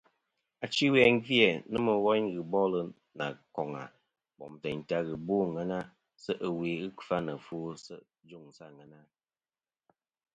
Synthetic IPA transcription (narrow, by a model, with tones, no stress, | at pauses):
a˨t͡ʃi˦wɛ˦ŋ̩˦ɡi˦ɛ˨nɨ˦mə˨wɔ˦ɲɣɨ˨bɔ˦lə˦ | na̰˨kɔ˨ŋa̰˨ | bɔ̰˨mtə˨ɲ˨ta˦ɣɨ˨boː˦˨ŋə˦na˦ | sə˦ʔə˨we˨ɣɨ˦kfa˦nə˨fuː˦sə˦ʔ | d͡ʒu˦˨ŋ˨sa˦˨ŋə˨na˦